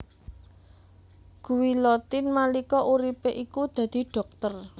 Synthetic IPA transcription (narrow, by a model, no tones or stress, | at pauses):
ɡ̥ṳwilɔt̪inmalikɔʔuɾipeʔikud̪̥ä̤d̪̥i̤ɖ̥ɔ̤k̚t̪ər